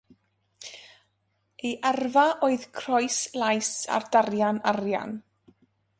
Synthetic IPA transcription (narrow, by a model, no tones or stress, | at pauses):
eʔɛrvaʔoːɨðkʰrɔɨslˠajsa̰rdarjanarja̰n